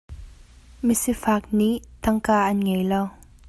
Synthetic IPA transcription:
misifaːk̚niʔt̪ɐŋkaːʔɐnŋɛjlɔw

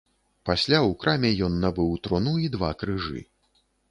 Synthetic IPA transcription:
pasʲlʲawkɾamʲɛjɔnːabɨwt̪ɾɔnuid̪va̰kɾɨʐɨ̰

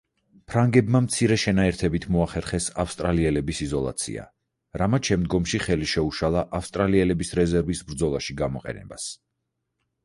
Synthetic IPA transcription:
pʰɾaŋɡɛbmamt̪sʰiɾɛʃɛnaɛɾt̪ʰɛbit̪ʰmɔaχɛɾχɛsafst̪ʼɾaliɛlɛbisizɔlˠa̰t̪sʰḭa̰ | ɾamat̪ʃɛmd̪ɡɔmʃiχɛliʃɛuʃalˠaʔafst̪ʼɾaliɛlɛbisɾɛzɛɾvisbɾd̪zɔlˠaʃiɡamɔqʼɛ̰nɛ̰bas

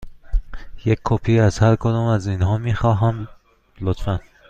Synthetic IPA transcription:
jekʰkʰːopʰiːæz̥hæɾkʰod̪ɒːmæzinɦɒːmiːxɒːɦæm | lot̪fæn

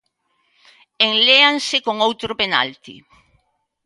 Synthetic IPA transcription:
eŋleaŋsɪkoŋowt̪ɾʊpena̰lt̪ḭ

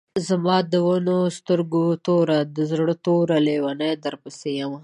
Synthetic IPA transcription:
zamɑd̪əwanost̪əɾɡot̪oɾad̪əzɽət̪oɾalewanajd̪əɾpasejama

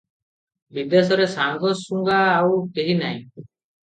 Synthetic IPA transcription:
bid̪esɔɾesaŋɡɔsuŋɡaːwkeɦinaj̃

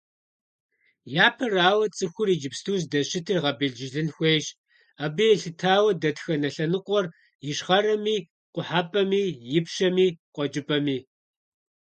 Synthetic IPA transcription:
jaːpʰɐraːwɐt͡sʼɨxʷʊriːd͡ʒɪpstʰuːzdɐɕɪtʰiːʁɐbiɮd͡ʒɪɮɨnxʷejɕ | aːbɨjɛɬɨtʰaːwɐdɐtxɐnɐɬɐnɨqʷʼɔr | jɪʂʁɐrɐmiː | qʷʊħaːpʼɐmiːjɪpʃɐmiːqʷɔd͡ʒʼɪpʼɐmiː

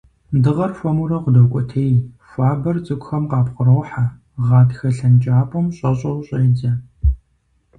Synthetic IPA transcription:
dɨʁɐrfʷɐmuɾɐqʷʊdɐwkʷʼɔtʰeːj | fʷaːbɐrt͡sʼɨkʷʼxɐmqɑːpχəɾɐwħa | ʁɑːtxɐɬɐnt͡ʃʼaːpʼɔmɕʼɐɕʼɐwɕʼɐjd͡zɐ

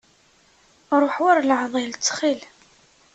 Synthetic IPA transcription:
ɾˤoħwaɾlʕðˤilt͡sːχil

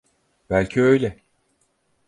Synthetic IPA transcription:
bælʲcʰiø̞jlʲɛ

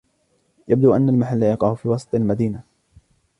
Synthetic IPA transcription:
jab̚d̪uːʔanːalmaħalːajɑqɑːhʊfiːwɑsˤɑt̪ˤlmad̪iːna

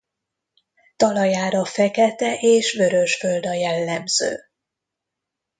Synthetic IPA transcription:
t̪ɒlɒjaːɾɒfɛkɛt̪ɛʔeːʃvø̞ɾø̞ʃfø̞ld̪ɒjɛlːɛmz̥ø̰ː

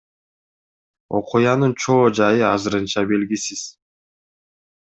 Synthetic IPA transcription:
o̞̰qujɑnɯnt͡ʃʰo̞ːd͡ʒɑjɯɑzɯɾɯnt͡ʃɑbe̞lɡisiz̥

